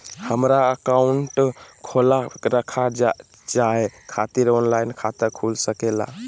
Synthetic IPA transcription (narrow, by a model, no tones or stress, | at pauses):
həmɾaəkauɳʈkʰolaɾəkʰa | d͡ʒaekʰat̪iɾɔnlainkʰat̪əɾkʰulsəkela̰